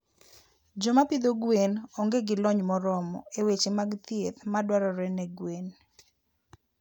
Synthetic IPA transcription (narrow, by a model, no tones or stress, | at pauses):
d͡ʒɔmapid̪oɡwenoŋɡeɡɪlɔɲmɔɾɔmɔ̰ewet͡ʃemaɡt̪jet̪madwaɾɔɾɛnɛɡwen